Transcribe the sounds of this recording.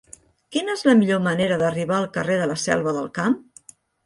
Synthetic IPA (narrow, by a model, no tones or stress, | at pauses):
kinəezləmiʎoməneɾəðəriβ̞aəlˠkəreðələsɛ̰lˠβəðəlˠkam